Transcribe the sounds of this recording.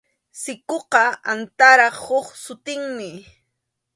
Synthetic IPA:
sɪkoqɑant̪aɾɑχhoχsʊt̪ɪŋmɪ

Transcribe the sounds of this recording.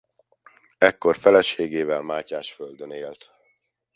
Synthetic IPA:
ɛkːo̞rfɛlɛʃeːɡeːvɛlmaːcaːʃføld̪øneːlt̪

